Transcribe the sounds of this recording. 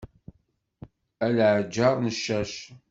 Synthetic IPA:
ælʕəd͡ʒːɑɾˤnəʃːæʃ

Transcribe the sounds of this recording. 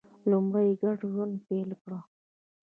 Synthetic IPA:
lumɽajɡaʈʒand̪pelkɽa

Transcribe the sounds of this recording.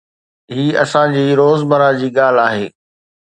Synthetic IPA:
ɦiːɐ̰sãd͡ʑiːɾoːzmɐɾad͡ʑiːɠaːl̤aːɦeː

